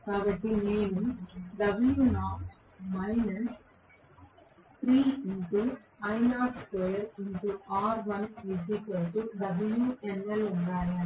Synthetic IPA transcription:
kaːbɐʈːineːnumɖɐbljuːnaːʈ | mɐɪnɐs | t̪ɾiːɪɳʈu | ɐɪnaːʈskojɐɾɪɳʈuaːɾʋɐ̃nʋɪsikɐlʈuɖɐbljuʔɛnɛluɳɖaːjaː

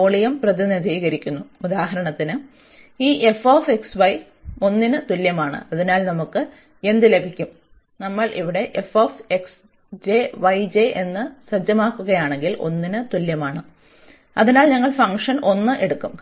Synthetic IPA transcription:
oːɭijɐmprɐðinid̪ʱiːɣɐɾikʲːunːuud̪aːɦɐɾɐɳɐt̪ːinɨ | iːʔefoːfeksʋɐj | o̞nːinɨt̪uljɐmaːɳɨ̰ɐðinaːlnɐmukːɨ | e̞nd̪ile̞bʱikʲːum | nɐmːɐɭʔiʋiɽe̞ʔefoːfeks | d͡ʑeʋɐjd͡ʑeʔe̞nːɨsɐd͡ʑɐmaːkːuɣɐjaːɳe̞ŋɡilʔo̞̰nːinɨt̪uljɐmaːɳɨ | ɐðinaːlɲɐŋːɐɭfɐŋkʂɐno̞nːɨʔe̞ɽukːum

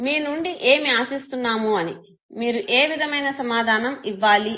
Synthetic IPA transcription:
miːnuɳɖiʔe̞ːmiaːsist̪unːaːmuɐni | miːɾuʔeːʋid̪ʱɐmɐjnɐsɐmaːd̪ʱaːnɐmiʋːaːli

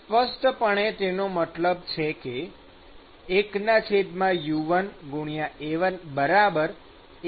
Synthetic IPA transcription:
spəsʈpəɳ̃et̪enomət̪ləb̚t͡ʃʰeke | knat͡ʃʰed̪mãjuʋənɡuɽ̃ijaeʋənbəɾabəɾ

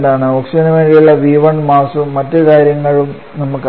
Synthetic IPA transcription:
ɳɖaːɳɨoksiɐnɐʋeːɳɻijuɭːɐʋiːʋɐɳɖmaːsumːɐtːɨkaːɾjɐŋːɐɭum | nɐmːukː

